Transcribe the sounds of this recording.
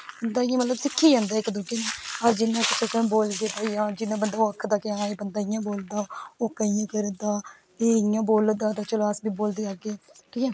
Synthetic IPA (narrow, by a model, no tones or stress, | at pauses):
bənd̪aːijãːmət̪ləbsɪkʰːiːd͡ʒãːnd̪aːɪkd̪uɡeːneːəd͡ʒd͡ʒɪnːãːkɪt͡ʃʰẽːsboːlɡ̪eːp̪aːiːãːd͡ʒɪnːãːbənd̪aːoːəkʰːd̪aːkeaaːeːbənd̪aːɪjãːboːld̪aːoːkəiːãːkəɾd̪aː | eːijãːboːld̪aːd̪aːt͡ʃəlaːsbiːboːld̪eːaːɡeːkiːãː